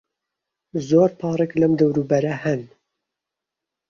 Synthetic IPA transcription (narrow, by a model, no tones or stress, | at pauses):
zoːɾpʰɑːrˤɛklɐmd̪ɐwɾuːbɛɾɐhɛn